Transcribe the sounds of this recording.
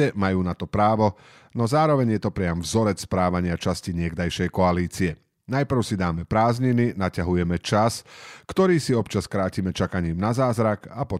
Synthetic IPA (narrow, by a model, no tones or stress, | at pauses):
ɛmajuːnat̪ɔpɾaːʋɔ | nɔzaːɾɔʋɛɲjɛt̪ɔpɾɪamvzɔɾɛt͡sspɾaːʋaɲɪat͡ʃasciɲɪɛɡd̪ajʃɛjkɔaliːt͡siɛ | najpr̩ʊsid̪aːmɛpɾaːzɲininacaɦujɛmɛt͡ʃaskt̪ɔɾiːsiɔpt͡ʃaskɾaːcimɛt͡ʃakaɲiːmnazaːzɾakapɔ